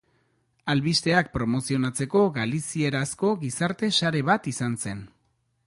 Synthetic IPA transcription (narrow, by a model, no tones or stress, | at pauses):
alβist̪e̞ak̚pɾo̞mo̞sio̞nat͡se̞ko̞ɣalisie̞ɾasko̞ɣisaɾt̪e̞saɾe̞β̞at̪isanse̞n